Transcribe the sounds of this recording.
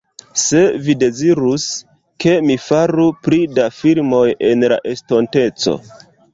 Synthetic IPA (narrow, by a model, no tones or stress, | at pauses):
se̞vide̞ziɾus | ke̞mifaɾupɾidafiɾmo̞je̞nla̰ʔe̞sto̞nte̞t͡so̞̰